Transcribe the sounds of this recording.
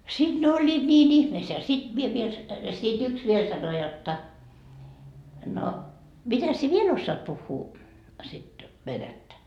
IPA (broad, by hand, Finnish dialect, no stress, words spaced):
sid̥ ne olʲːiːt nʲiːn ihmeːsːeæ jɑ sid̥ mie ʋiel sit yks ʋiel sɑno jotːɑ no mitæs sie ʋiel osːɑːt puhːuː sit ʋenætːæ